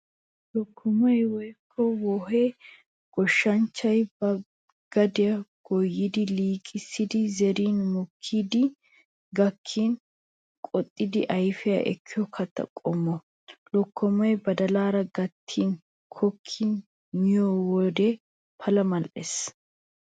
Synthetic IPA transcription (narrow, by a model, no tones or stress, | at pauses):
lɔkʰːɔmɐjwɔjkʰːɔwɔɦe | ɡ̥ɔʃːɐnt͡ʃːɐjbɐ | ɡ̥ɐd̪ɪjɐɡ̥ɔjːɪd̪ɪliːkʼɪsːɪd̪ɪzɛɾiːnmɔkʰːiːd̪ɪ | ɡɐkʰːiːn | kʼɔt̪ʼːɪd̪ɪʔɐjfɪjɐ̰ʔɛ̰kʰːɪjɔkʰɐt̪ːɐ̰kʼɔmːɔ | lɔkʰːɔmɐjbɐd̪ɐlaːɾɐɡɐt̪ʰːin | kʰɔkʰːin | mɪjɔwɔd̪ɛ | pʰɐlɐmɐlʔes